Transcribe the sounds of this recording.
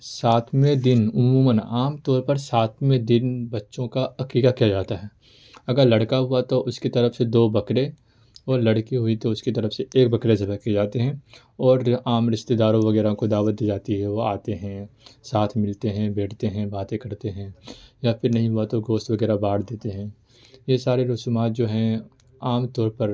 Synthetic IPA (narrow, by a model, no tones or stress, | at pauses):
saːt̪ʰmẽd̪ɪnʊmuːmənaːmt̪ɔːɾpɐɾsaːt̪ʰmẽd̪ɪnbɐtːʃõkaɐkiːkakijad͡ʒaːt̪aɦɛː | ɐɡəɾlɐɽkaɦʊat̪oʔʊskit̪ɐɾəfsed̪oːbɐkɾe | ɔːɾlɐɽkiɦʊit̪oʊskit̪ɐɾəfseeːk̚bɐkɾesɐbɐked͡ʒaːt̪eɦɛ̃ | ɔːɾaːmɾɪʃt̪ed̪aːɾõʋɐɡɛːɾãkod̪aːʋət̪̚d̪iːd͡ʒaːt̪iɦɛʋoaːt̪eɦɛ̃saːt̪ʰmɪlt̪eɦɛ̃beːʈʰt̪eɦɛ̃baːt̪ẽkɐɾt̪eɦɛ̃ːjafɪɾnɐɦĩɦʊat̪oɡoːʃt̪ʋɐɡɛːɾabaːɽd̪eːt̪eɦɛ̃ː | jesaːɾeɾʊsumaːt̪̚d͡ʒoːɦɛ̃ | aːmt̪ɔːɾpɐɾ